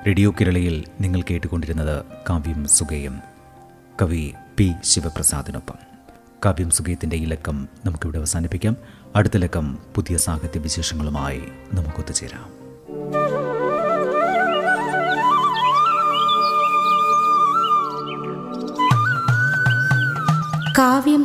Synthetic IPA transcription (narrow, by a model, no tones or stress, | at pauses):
ɾe̞ɽijoːkeɾɐɭɐjilniŋːɐɭkeːʈːukːo̞ɳɖiɾunːɐðɨkaːʋjɐmsuɡejɐm | kɐʋipiɕiʋɐprɐsa̰ːd̪ʱino̰pːɐ̰m | kaːʋjɐmsuɡɐjɐt̪ːinde̞ilɐkːɐmnɐmukːeʋiɽeɐʋɐsaːnipːikʲːaːmɐɽut̪ːɐle̞kːɐmpuðijɐsaːkʰɐt̪jɐʋiɕe̞ːʂɐŋːɐɭuma̰ːjḭ | nɐmukːo̞t̪ːɐt͡ɕːeːɾa̰ːm | kaːʋjɐm